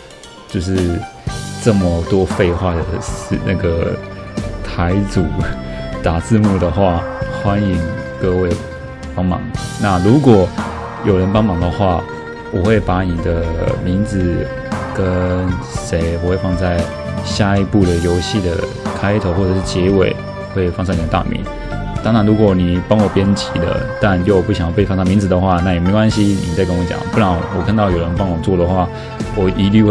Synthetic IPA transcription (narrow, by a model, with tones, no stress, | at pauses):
t͡ɕjo˥˧ʊʂ̬ɻ̩˥˧ | ʈ͡ʂɤ˥˩mə˩t̪wɔ˥fe˥˧ɪxwa˥˩d̪ə˩˥˧na̰˥˩ɡə˩ | t̪ʰa˧˥ɪt͡su˨˩˦t̪a˨˩t͡sɹ̩˥˧mu˥˩d̪ə˩xwa˥˩xwa˥ni˧˥ŋkɤ˥˧we˥˩ɪ | pɑ˥ŋmɑ̰˨˩ŋna˥˩ɻu˧˥kwɔ˨˩ | jo˨˩ʊɻə˧˦npɑ˥ŋmɑ˨˩ŋd̪ə˨xwa˥˩ | wɔ˨˩xwe˥˩ɪpa˧˥ni˨˩d̪ə˦mi˧˥ŋd͡zɹ̩˨˩ | kə˦nʂe˧˥ɪwɔ˨˩xwe˥˧ɪfɑ˥˧ŋt͡sa˥˩ɪ | ɕja˥˩i˧˥pu˥˩d̪ə˩jo˧˥ʊɕi˥˩d̪ə̰˩ | kʰa˥ɪt̪ʰo˧˥ʊxwɔ˥˩ʈ͡ʂɤ˨˩ʂɻ̩˥˩t͡ɕjɛ˧˥we˨˩˦ɪ | xwe˥˩ɪfɑ˥˧ŋs̬ʰɑ˥˩ni˨˩ə˦t̪a̰˥˨mḭ˨˧˥n | t̪ɑ˥ŋɻa˧˥nɻu˧˥kwɔ˨˩ni˨˩pɑ˥ŋwɔ˨˩pjɛ˥nt͡ɕʰi˨˥d̪ə̰˧t̪a˥˧njo˥˧ʊpu˥˩ɕjpe˥˧ɪfɑ˥˧ŋsɑ˥˧mi˧˥nd͡zɹ̩˨d̪ə˩xwa˥˧na˥˩jme˧˥ɪkwa˥nɕi˥ni˨˩t͡sa˥˩ɪkə˥nwɔ˧˥˦t͡ɕjɑ̰˨˩˦ŋpu˥˧ɻa˥˩ŋ˩wɔ˨˩kʰnt̪ɑ˥˩ʊjo˨˩ɻə˧˦npɑ˥ŋwɔ˨˩t͡swɔ˥˩ɾə˩xwa˥˩ | wɔ˨˩i˧˥ly˥˧˥